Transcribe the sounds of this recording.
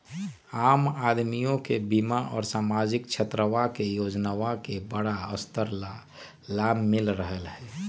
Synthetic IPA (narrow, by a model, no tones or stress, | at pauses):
aːmaːd̪mijõkebimaʔɔ̰ːɾsaːmad͡ʒɪkt͡ʃʰət̪ɾəʋakejoːd͡ʒnaʋakebəɽaəst̪əɾ | laːmːɪlɾəɦəlɦɛː